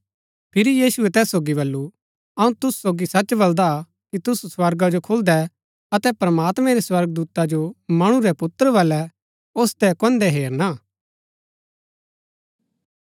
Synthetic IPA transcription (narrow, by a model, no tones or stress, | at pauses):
pʰɪɾijiːsuɛt̪ɛːsːoːɡibɐlːu | ɐũt̪ʊssoːɡisɐt͡ʃbɐld̪a | kit̪ʊsswɐɾɡad͡ʒokʰʊld̪ɛ | ɐt̪ɛpɾəmaːt̪mɛ̃ɾɛswɐɾɡ̚d̪uːt̪ad͡ʒomɐɽ̃ũɾɛpʊt̪əɾəʋɐlɛ | ost̪ɛkɔ̃nd̪ɛɦeːɾna